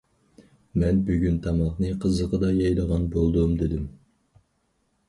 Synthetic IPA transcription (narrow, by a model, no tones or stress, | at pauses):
mɛnbyɡʲynt̪ʰɑmɑχnɨqʰəzəqəd̪ɑjɑjd̪əʁɑnbolˠd̪ʊmd̪ɪd̪ɪm